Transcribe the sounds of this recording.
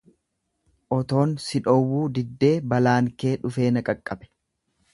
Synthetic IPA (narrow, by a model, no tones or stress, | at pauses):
ʔɔt̪o̞ːnsɪᶑɔwːuːd̪ɪd̪ːe̞ːbɐlaːŋke̞ːᶑʊfe̞ːnɐkʼɐkʼːɐbɛ̥